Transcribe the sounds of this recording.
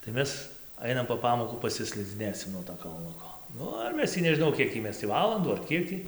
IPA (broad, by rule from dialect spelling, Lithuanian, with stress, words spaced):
tɐɪ ˈmʲɛs ˈɐɪnɐm poː ˈpɑːmoːkuː pɐsʲɪsʲlʲɪd͡zʲɪˈnʲeːsʲɪm nuɔ toː kɐlˠˈnʊkoː ˈnʊ ɪr ˈmʲɛs tʲiː nʲɛʒʲɪˈnɐʊ ˈkʲiɛk tʲiː ˈmʲɛs tʲiː ˈʋɑːlˠɐnduː ɐr ˈkʲiɛk tʲiː